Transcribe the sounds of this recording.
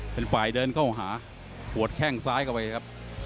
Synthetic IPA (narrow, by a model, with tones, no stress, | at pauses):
pe˧npaː˨˩jdɤː˧nkʰa˥˩wɦaː˩˦ | pʰu˨˩ət̪̚kʰɛ˥˩ŋsaː˦˥jkʰa˥˩wpa˧jkʰa˦˥p̚